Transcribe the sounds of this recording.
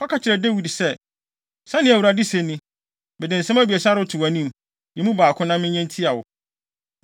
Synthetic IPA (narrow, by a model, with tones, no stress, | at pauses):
ɔ˦kʰa˨t͡ɕʰɪ˨ɾɛ˨de˦wi˨dsɛ˦ | sã˦nɪ̃˨æ˨wu˨ɾa˨dɪ˦se˨nɪ̃˦ | bɛ˨dɪ̃˨n̩˨sɛ̃˦mæ˦bi˨ɛ˨sa˦ɾʊ˦tʰʊ˨a˨nĩ˦˨m | jɛ˨mũ˦baː˨kʰʊ̃˦nã˦mɪ̃˦ɲɛ̃˦n˦tʰi˦a˨wʊ˨